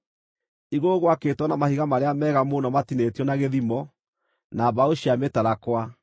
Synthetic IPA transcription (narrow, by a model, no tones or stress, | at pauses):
iɣoɣwaketwɔnamahiɣamaɾeamɛːɣamonɔmatinetjɔnaɣeðimɔ | naβaoɕiametaɾakwa